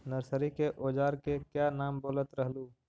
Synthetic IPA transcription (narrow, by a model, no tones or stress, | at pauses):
nəɾsəɾikeʔoːd͡ʒaːɾkekjaːnaːmboːlət̪ɾəɦluː